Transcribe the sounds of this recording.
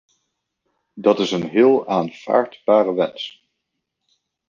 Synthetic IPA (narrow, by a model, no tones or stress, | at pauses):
dɑtɪsənɦɪːlˠaːnv̥a̰ːɹdbaːrəʋɛns